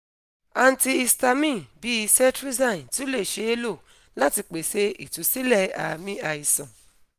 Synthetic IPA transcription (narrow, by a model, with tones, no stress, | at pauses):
a˧n̩˦ti˧i˧sta˧mĩ˦˨bi˨˦i˧sɛ˦tɾi˦zã˦˨n˨ti˦le˦˨ʃe˨˦e˦lo˦˨ | la˦ti˧k͡pe˨se˧ḭ˨tũ˨˦si˦lɛ˦˧˨a̰˨˧mĩ˦a˧i˨sã˨